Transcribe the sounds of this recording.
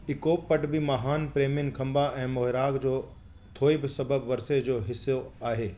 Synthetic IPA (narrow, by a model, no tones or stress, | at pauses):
ɪkoːpːɐʈbimaːɦaːnpɾeːmijənɪ̆kʰɐ̃mbaʔɛ̃ːmoːɦɪɾaːkd͡ʑoː | t̪ʰoːibɪsɐbəbʋɐɾsed͡ʑoːɦɪsjoaːɦeː